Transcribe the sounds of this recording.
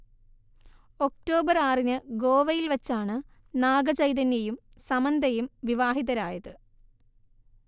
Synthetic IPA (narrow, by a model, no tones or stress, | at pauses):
o̞kʈo̞ːbɐraːrinɨɡo̞ːʋɐjilʋɐt͡ɕːaːɳɨ | naːɡɐt͡ɕɐjðɐnjɐjum | sɐmɐnd̪ɐjumʋiʋaːɦiðɐɾaːjɐðɨ